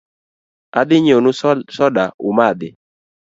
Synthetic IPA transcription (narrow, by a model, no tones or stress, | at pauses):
a̰d̪ɪɲonʊsɔdaʊmad̪ɪ